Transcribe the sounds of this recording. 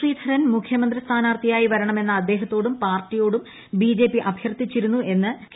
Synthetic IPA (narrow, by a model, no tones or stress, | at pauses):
iːd̪ʰʱɐɾɐnmukʰjɐmɐnd̪ɾɐst̪ʰaːnaːrt̪ʰijaːjiʋɐɾɐɳɐme̞nːɐːd̪ːe̞ːɦɐt̪ːo̞ːɽumpaːrtːijo̞ːɽum | biːd͡ʑe̞ːpːiʔɐbʱjɐrt̪ːit͡ɕːiɾunːuʔe̞nːɨ